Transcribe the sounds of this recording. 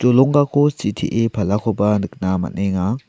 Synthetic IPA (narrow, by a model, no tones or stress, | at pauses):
t͡ʃɔlɔŋɡakʰɔsitʰiʔepʰalakʰɔbanɯk̚nama̰nɛŋa